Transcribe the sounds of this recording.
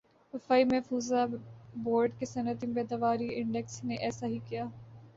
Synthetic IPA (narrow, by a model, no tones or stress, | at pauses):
əfaːimɛɦfuːzaboːɾɖkesɐnət̪imbɛːd̪aʋaːɾiːɪɳɖɛksneʔɛːsaːɦiːkijaː